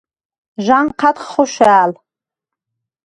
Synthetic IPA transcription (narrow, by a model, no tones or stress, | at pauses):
ʒʷanqʰatχχoʃʷaːl